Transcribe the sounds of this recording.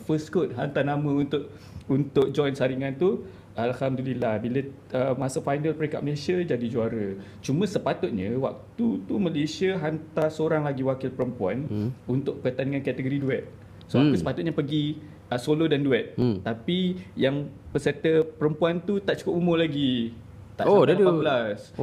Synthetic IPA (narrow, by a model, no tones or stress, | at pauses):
fəskot̪̚ɦant̪anamə̃unt̪ʊʔ | unt̪ʊk̚d͡ʒɔjnsaɾiŋãnt̪u | alhamd̪ulilahbilə | əmasəfajnalpəɾeka̰ʔməlesiad͡ʒadid͡ʒuaɾə | t͡ʃumə̃səpat̪ʊt̪̚ɲə̃wa̰k̚t̪ut̪uməlesiəɦant̪asoɾaŋlaɡiwakɪlpəɾəmpuanunt̪ʊʔ̚pəkət̪aniŋankat̪əɡoɾiduɛt̪̚ | soapəsə̥pat̪ʊt̪̚ɲəpəɡi | əsolodanduɛt̪̚t̪ːapijaŋpəset̪əpəɾəmpuant̪ut̪aʔt͡ʃukʊp̚umʊ̃mlaɡi | t̪aʔoaaaabəlas